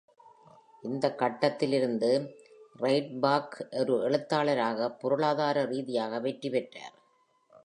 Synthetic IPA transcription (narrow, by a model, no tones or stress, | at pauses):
ʔɪnd̪ɐkːɐʈːɐt̪ːɪlɪɾɯnd̪ɯrɐɪʈ̚baːkʔɔɾɯɛɭɯt̪ːaːɭɐɾaːɣɐpːʊɾɯɭaːðaːɾɐɾiːðɪjaːɣɐʋɛʈripɛʈra̰ːɾ